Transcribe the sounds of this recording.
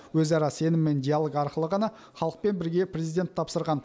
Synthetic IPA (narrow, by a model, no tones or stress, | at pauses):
wɵzɑɾɑse̞nɪmːe̞nd̪ʲijalˠoɡɑɾqəlˠəʁɑnɑ | χɑlˠəq̚pe̞nbɪɾɡʲe̞prʲe̞zid̪ʲe̞nt̪ʰːɑpsəɾʁɑn